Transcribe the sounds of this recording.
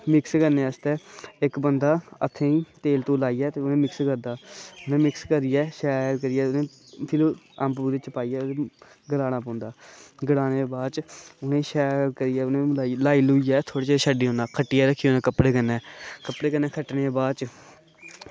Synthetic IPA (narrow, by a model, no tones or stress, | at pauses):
mɪkskəɾneːəst̪ɛːɪkbənd̪aːə̰t̪ʰːẽːĩːt̪eːlt̪õːlaːiːjɛːt̪eːʊnẽːmɪkskəɾd̪aːʊnẽːmɪkskəɾijɛːʃɛːɾkəɾɪjɛːʊnẽː | pʰɪloː | əmpbuːɾeːt͡ʃəpaːiːɛːe | ɡəlaːnaːpɔ̃ːnd̪aːɡəɽaːneːbaːt͡ʃʊnẽːʃɛːɾkəɾijɛːʊnẽːlaːilaːiːlʊiːɛːt̪ʰoːɽeːt͡ʃeʃəɖiːɦõːnd̪aːkʰəʈːɪjaːɾəkʰːiːoːnẽːkəpɽeːkənːɛ̃ːkəpɽeːkənːɛːkʰəʈneːbaːt͡ʃ